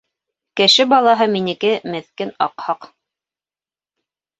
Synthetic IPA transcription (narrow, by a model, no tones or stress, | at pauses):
kɘ̆ʃɘbɑlˠɑɦɤminɘ̆kɘmɘ̆θkɘnɑqhɑq